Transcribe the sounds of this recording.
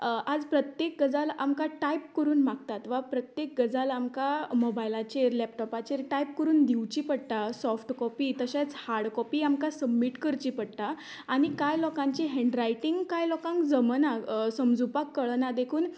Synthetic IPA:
ad͡zpɾət̪jek̚ɡəd͡zalamkaʈajp̚kəɾuːnmaɡ̚t̪at̪ʋapɾət̪jek̚ɡəd͡zalamkamobajlat͡ɕeɾlɛp̚ʈɔpat͡ɕeɾʈajp̚kəɾuːnd̪iʋt͡ɕiːpəɽt̪asɔfʈkɔpiːt̪əɕãt͡shaɾɽkɔpiːamkasəbmiʈkəɾt͡ɕipəɽt̪aː | ɽ̃ikajlɔkãɲt͡ɕiɦɛ̃ɳɖɾajʈiŋɡkajlɔkãŋkd͡zəmənasəmd͡zupakːəɭnad̪ekʰuːn

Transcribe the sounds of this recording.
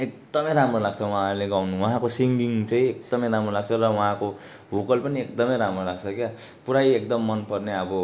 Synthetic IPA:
ek̚d̪ʌmʌjɾamɾolaɡt͡sʰʌwuɦãɾuleɡawnuwʌɦãkosiŋɡiŋt͡sãĩek̚d̪ʌmʌ̃jɾamɾolaɡ̚t͡sʰʌrʌwũɦãko | bokʌlpʌniek̚d̪ʌmʌ̃jɾamɾolaɡ̚t͡sʰʌkja | puɾajek̚d̪ʌmːʌnpʌrneʌbʌ

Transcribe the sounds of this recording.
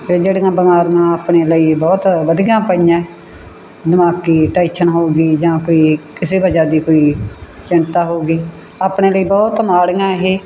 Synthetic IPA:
eːd͡ʒeːɽijãːbɪmaːɾɡãːaːpɳeːləiːbɔːt̪ʋəd̪ɪjãːpəijãː | d̪ɪmaːkiːʈaːɪt͡ʃʰənɦoːɡiːd͡ʒãːkoːiːkɪseːbəd͡ʒaːd̪iːkoːiː | t͡ʃɪɳt̪aːɦoːɡiː | aːpɳeːləiːbɔːt̪maːɽjãːɦeː

